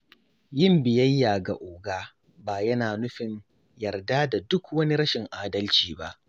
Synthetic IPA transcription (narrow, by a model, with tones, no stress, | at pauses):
jɪ˦˨mbɪ˨jɐ˦jːaː˨ɡa̰˨ʔoː˨ɡaː˦ | baː˨jɐ˦naː˨nʊ˦ɸɪ˨ɲ | jɐ˨rda˦da˨dʊ˦kwɐ˦ni˦ɾɐ˦ʃɪ˨ŋʔaː˨dɐ˦lt͡ʃiː˨ba˦ʔ